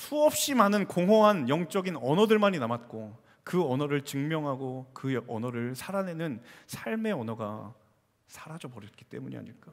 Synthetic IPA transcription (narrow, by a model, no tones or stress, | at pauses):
sʰuʌp̚ɕ͈imanɯnkoŋɦʌɦanjʌŋt͡ɕ͈ʌɡinʌnʌdɯɭmaɲinamat̚k͈o | kɯʌnʌɾɯɭt͡ɕɯŋmjʌŋɦaɡokɯʌnʌɾɯɭsʰaɾane̞nɯnsʰaɭme̞ʌnʌɡa̰ | sʰaɾad͡ʑʌbʌɾjʌt̚k͈i̥t͈e̞muɲḭa̰ɲiɭk͈a